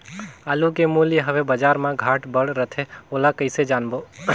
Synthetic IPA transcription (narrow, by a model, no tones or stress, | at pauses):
aːlukemuljɦəʋebəd͡ʒaːɾmãɡʱaːʈbəɽɾət̪ʰeoːlakəɪsed͡ʒaːnboː